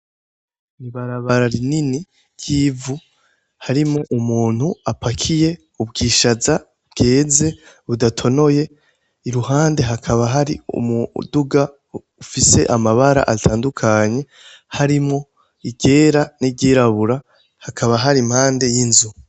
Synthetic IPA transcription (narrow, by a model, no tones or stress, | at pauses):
niβaɾaβaɾaɾinini | ɟivu | haɾimŋo̞ʔumuːn̥huapʰakʰije̞ | ub̚ɡiːʃaza | bɡe̞ːze̞ | βudatʰo̞no̞je̞ | iɾuɦaːnde̞ɦakʰaβaɦaɾiṵmuduɡa | ufise̞ʔamaβaɾa̰ʔatʰaːndukʰaɲe̞ | haɾimŋo̞ | iɟe̞ːɾaniɟeːɾaβuɾa | hakʰaβaɦaɾimhaːnde̞jinzu